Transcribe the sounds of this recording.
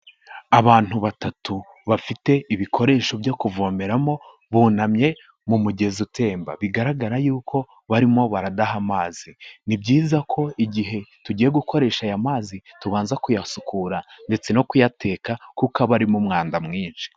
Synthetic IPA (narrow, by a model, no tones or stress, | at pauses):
aβaːn̥huβatatu | βafite̞iβikʰo̞ɾe̞ːʃo̞bjokuvo̞ːme̞ɾamo̞ | βuːnamɲe̞ | mumuɟe̞zutʰe̞ːmba̰βiɡaɾaɡaɾajuːkʰo̞ | βaɾimo̞βaɾadahamaːz̥inibɟiːzakʰo̞iɟiɦe̞tuɟije̞ɡuko̞ɾe̞ːʃajamaːzituβaːnzakujasukuɾande̞t͡se̞no̞kujate̞ːkakukaβaɾimumŋaːndamŋiːnʃi̥